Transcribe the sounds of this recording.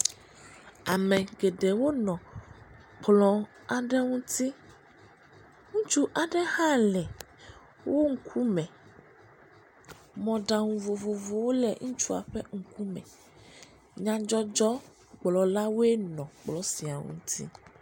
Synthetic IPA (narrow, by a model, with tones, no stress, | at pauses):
a˨mɛ̃˨ɡɛ˨ɖɛ˨wo˦nɔ̃˨ | k͡plɔ̃˨ | a˨ɖɛ˦ŋũ˦t̪i˦ | ŋũ˦t͡ʃu˦ʔa˨ɖɛ˦hã˦lɛ˨ | wo˦ŋ̩˦kʰu˦mɛ̃˨ | mɔ̃˨ɖa˨ŋũ˨vo˨vo˨vo˨wo˦lɛ˨ŋũ˦t͡ʃu˦a̰˨ɸɛ̰˦ŋ̩˨ku˦mɛ̰̃˨ | ɲã˦d͡ʒɔ˦d͡ʒɔ˦ | k͡plɔ˨la˦wo˦e˦nɔ̃˨k͡plɔ˦si˨a˨ŋṵ̃˦t̪ʰḭ˦